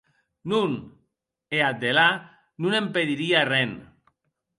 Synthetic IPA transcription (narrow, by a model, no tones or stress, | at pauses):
nun | ead̪ela | nunempeðiɾiarɛn